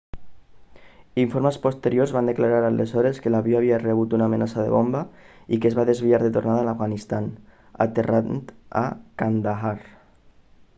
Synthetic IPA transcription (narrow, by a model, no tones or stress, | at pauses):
iɱfoɾməspost̪eɾjorzβand̪eklaɾaɾalezɔɾeskelaβioaβ̞iareβ̞ut̪unaːmenasaðḛβomba | ikezβaðezβiaɾðet̪ornaðalafɣanist̪an | a̰t̪erant̪a̰kand̪aɦar